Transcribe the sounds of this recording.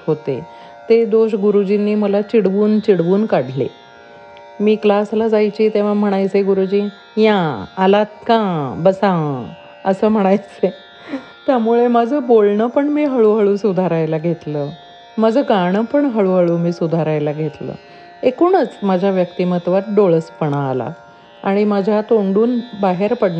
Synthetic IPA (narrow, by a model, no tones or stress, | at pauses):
ɦot̪ḛ | t̪ed̪oɕɡuɾud͡ʑinːiːməlat͡ɕiɽʋuːnt͡ɕiɽʋuːnkaɽ̤ʱlḛ | miːklaslad͡zajt͡ɕiːt̪eʋ̤am̤əɽ̃ajt͡seɡuɾud͡ʑiː | jãːlat̪̚kãbəsã | əsəːm̤əɽ̃ajt͡se | t̪jamuɭemad͡zʱəːbolɳəpəɳmiːɦəɭuɦəɭuːsud̪ʱaɾajlaɡʱet̪ləː | mad͡zʱəɡaɽ̃əpəɳɦəɭuɦəɭuːmiːsud̪ʱaɾajlaɡʱet̪lə̰ | ekuːɳət͡smad͡ʑʱjaʋjəkt̪imət̪ʋat̪̚ɖoɭəspəɳa̰ːla̰ | a̰ɽ̃imad͡ʑʱat̪oɳɖuːnbaɦeɾpəɽn